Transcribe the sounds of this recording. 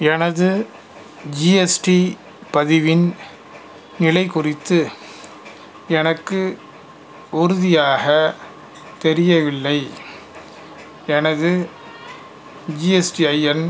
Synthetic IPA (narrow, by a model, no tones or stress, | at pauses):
ɛnɐðɯ | d͡ʒiɛsʈi | pɐðɪʋɪn | nɪlɐɪkʊrɪt̪ːɯ | ɛnɐkːɯ | ʊɾʊðɪjaːɣɐ | t̪ɛɾɪjɐʋɪɭːɐɪ | ɛnɐðɯ | d͡ʒiːɛsʈiɐjɛn